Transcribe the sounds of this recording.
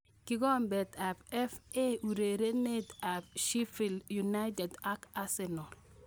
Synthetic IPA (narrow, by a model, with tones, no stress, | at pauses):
ki˦ɡɔ˦mbɛ˨ta˨bɛ˦fe˦u˨ɾe˨ɾe˦ne˦ta˨bʃi˦fi˨lju˨na˦jtɛ˨da˦ka˦sɛ˨nɔ˨l